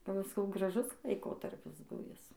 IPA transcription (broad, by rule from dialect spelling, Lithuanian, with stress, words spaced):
ˈpɐ ʋɐ sɐˈkɐʊ ɡrɐˈʒʊs lˠɐɪˈkoːtɐrʲpʲɪs ˈbʊʋʲɪs